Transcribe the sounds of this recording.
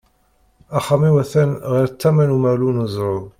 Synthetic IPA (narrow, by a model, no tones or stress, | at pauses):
æχamiwæθænʁiɾt͡s̪ːæmænumælunuzˤɾˤo